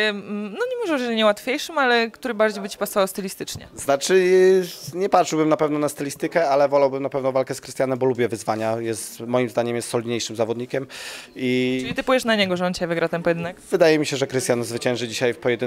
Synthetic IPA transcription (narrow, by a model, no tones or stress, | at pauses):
nɔɲɛmɔʐɛɔʐɛlʲiɲɛwat̪fʲjejʂɘmalɛkt̪uɾɘbaɾd͡ʑejbɘt͡ɕi̥pasɔvawst̪ɘlʲist̪ɘt͡ʂɲɛ̰znat͡ʂɘ | ɲɛpat̪ʂwbɘmnapɛvnɔnast̪ɛlʲist̪ɘkɛalɛvɔlawbɘmnapɛvnɔvalkɛskɾɘɨst̪janɛmbɔlubʲjɛvɘzvaɲajɛst̪mɔjimzd̪aɲɛmjɛst̪sɔlʲid̪ɲejʂɘmzavɔd̪ɲikʲɛmilʲit̪ɘpujɛʂnaɲɛɡɔʐɛɔnt͡ɕjvɘɡɾʔat̪ampɔjɛd̪ɘnɛkvɘd̪ajɛmʲiɕɛʐɛkɾɘst̪janzvɘt͡ɕɛ̃ñʐɘd͡ʑiɕajfpɔjɛd̪ɘ